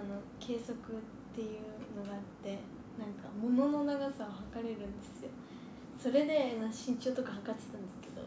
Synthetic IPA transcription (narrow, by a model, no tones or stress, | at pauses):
ano̞kʰe̞ːso̞kɯ̟t̪ːe̞jɯ̟no̞ɡaːt̪ːe̞ | nãŋkamo̞no̞no̞naɡasaɦakaɾe̞ɾɯ̟̃nd̪e̞sɨjo̞ | so̞ɾe̞d̪e̞maɕĩɲ̟t͡ɕo̞ːt̪o̞kaɦakat̪e̥t̪ãnd̪e̞sɨ̥ke̞d̪o̞̰